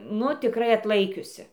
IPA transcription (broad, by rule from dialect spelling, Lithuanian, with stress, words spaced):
ˈnʊ tʲɪˈkrɐɪ ɐtˈlˠɐɪkʲʊsʲɪ